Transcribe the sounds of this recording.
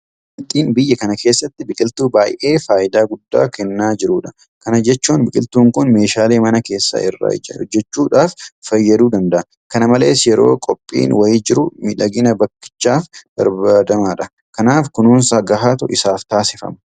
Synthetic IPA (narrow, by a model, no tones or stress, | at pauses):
b | ɪlt̪ʼiːnbɪjːɐkɐnɐke̞ːsːɐt̪ːɪbɪkʼɪlt̪uːbaːjʔe̞ːfaːʔɪd̪aːɡʊd̪ːa̰ːkɛnːaːd͡ʒɪɾuᶑɐ | kɐnɐd͡ʒɛt͡ʃːuːnbɪkʼɪlt̪uːŋkʊnme̞ːʃaːleːmɐnɐke̞ːsːɐ̰ɪrːa̰ːd͡ʒɐhɔd͡ʒːɛt͡ʃːuːᶑaːffɐjːɐd̪uːd̪ɐnd̪ɐʔɐ | kɐnɐmɐle̞̰ːsjɛɾo̞ːkʼɔpʼːḭːnwɐjɪd͡ʒɪɾʊmɪᶑɐɡɪnɐbɐkːɪ̥t͡ʃːaːfb̥ɐ̰ɾbaːd̪ɐmaːᶑɐ | kɐnaːfkʊnuːnsɐɡɐɦaːt̪ʊʔɪsaːft̪aːsɪfɐ̰mɐ̥